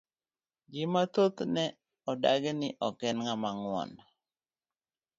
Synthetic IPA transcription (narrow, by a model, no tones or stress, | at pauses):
d͡ʒɪmat̪ot̪nɛ | ɔdaɡenɪʔɔkɛnŋamaŋwɔ̰n